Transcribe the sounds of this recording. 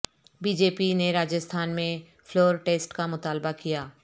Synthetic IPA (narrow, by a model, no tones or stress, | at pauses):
biːd͡ʒeːpineɾaːd͡ʒəst̪ʰaːnmẽ | fʰloːɾʈeːsʈkamʊt̪aːlbakijaː